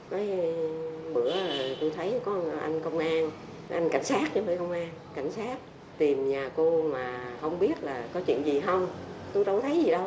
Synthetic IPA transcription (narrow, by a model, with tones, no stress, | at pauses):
nɔ˨˦j | ɓɨ˧˩əə˨˩jt̪o˧jt̪ʰə˨˦jkɔ˨˦ʔa̰˧jŋ̟kə˧wŋ͡mʔaː˧n | ʔa˧jŋ̟ka̰˧˩jŋ̟saː˦˥t̚t͡ɕnmə̰ː˧˨jkə˧wŋ͡mʔaː˧nka˧˩jŋ̟saː˦˥t̚ | t̪i˨˩mɲaː˨˩ko˧maː˨˩xə˧wŋ͡mɓi˦˥ət̚laː˨˩kɔ˨˦t͡ɕwḭ˧˨ənzi˨˩ɦə˧wŋ͡mt̪o˧jɗə˧wt̪ʰə˨˦jzi˨˩ɗə˧w